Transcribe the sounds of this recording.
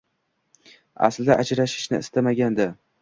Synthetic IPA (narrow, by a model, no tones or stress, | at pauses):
a̰sld̪aʔad͡ʒɾaʃɪ̥ʃnɪ̰ɪst̪amaɡʲand̪a